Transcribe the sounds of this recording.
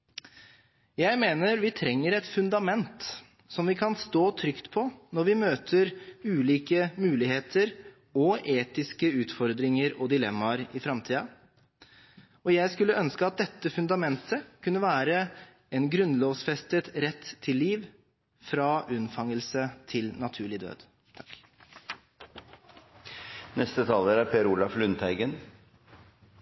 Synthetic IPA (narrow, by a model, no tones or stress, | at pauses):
jæɪmeːnəɾʋɪt̪ʰɾɛŋːəɾɛt̪fʉnd̪ɑmɛnt̪ | sɔmʋɪkʰɑnst̪oːt̪ʰɾʏkt̪pʰɔnɔɾʋɪmøːt̪ʰəɾʉːliːkəmʉːlɪheːt̪ʰəɾ | ɔeːt̪ɪskəʉːt̪fɔɾd̪ɾɪŋəɾɔd̪ɪlɛ̰mːɑɾɪfɾɑmt̪ʰiːɑ | ɔjæɪskʉlːəœnskəɑt̪̚d̪ɛt̪ːəfʉnd̪ɑmɛnt̪ʰəkʰʉnːəʋæːɾə | ɛnɡɾʉnloːʋsfɛst̪ət̪ɾɛt̪ʰːɪlːiːʋ | fɾɑːʔʉnfɑŋəlsət̪ʰɪlnɑt̪ʰʉːɭɪd̪ø̰ːd̪ | t̪ʰɑkː | nɛst̪ət̪ʰɑːləɾæɾpʰeːɾulɑflʉnt̪ʰæɪɡən